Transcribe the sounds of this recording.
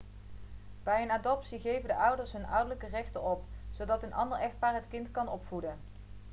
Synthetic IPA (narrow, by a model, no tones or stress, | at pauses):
b̥ɛjənaːdɔpsiχejvəndəʔʌwdəɹsɦɵnʌ̰wdəɹləkərɛχtəɔpz̥owdɑtənɑ̰ndəɹɛχt̚maːrɦətkɪntkɑnɔpfudə